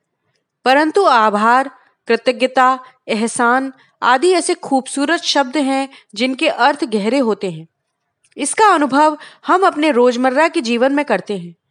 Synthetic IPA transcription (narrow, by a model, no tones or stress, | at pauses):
pɐɾə̃nt̪uaːbʱaːɾ | kɾɪt̪əɡjət̪a | ɛɦsaːn | a̰ːd̪iɛːsexʰuːbsuːɾət̪ʃɐb̚d̪ɦɛ̃d͡ʒɪnkeʔɐɾt̪ʰɡɛɦɾeɦoːt̪eɦɛ̃ː | ɪskaɐnʊbʱəʋhɐmɐpneɾoːd͡ʒməɾːaked͡ʒiːʋənmẽkɐɾt̪eɦɛ̃ː